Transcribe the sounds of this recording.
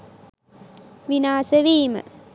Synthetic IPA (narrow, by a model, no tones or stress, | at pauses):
ʋinaːsəʋiːmə̰